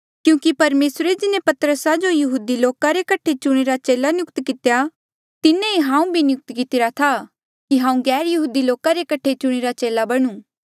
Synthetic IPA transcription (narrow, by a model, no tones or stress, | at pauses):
kjũːkipɐɾmeːsɾed͡ʒɪnẽpɐt̪ɾəsad͡ʒojɐɦuːd̪iloːkaɾekɐʈʰet͡ʃʊɽ̃eɾat͡ʃeːlanjʊkt̪kɪt̪eja | t̪ɪnẽiɦãːũbʱinjʊk̚t̪kɪt̪ɪɾat̪ʰa | kiɦãːũɡɛːɾjɐɦuːd̪iloːkaɾekɐʈʰet͡ʃʊɽ̃eɾat͡ʃeːlabɐɽ̃ũː